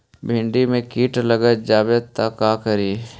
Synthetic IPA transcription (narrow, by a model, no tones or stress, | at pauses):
bʱɪ̃ɳɖimẽkiːʈləɡət̪̚d͡ʒaːbjət̪ːakaːkəɾiː